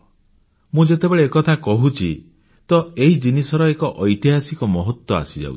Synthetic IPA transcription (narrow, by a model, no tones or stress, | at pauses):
mũd͡ʒet̪ebeɭeːkɔt̪ʰakɔɦut͡ʃʰi | t̪ɔeɦid͡ʒinisɔɾɔekɔʔɔjt̪iɦasikɔmɔɦɔt̪wɔa̰sid͡ʒa̰ṵt͡ʃʰi̥